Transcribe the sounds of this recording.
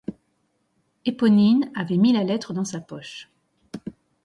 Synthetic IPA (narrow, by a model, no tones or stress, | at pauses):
epɔninavɛmilalɛt̪χəd̪ɑ̃sapɔʃ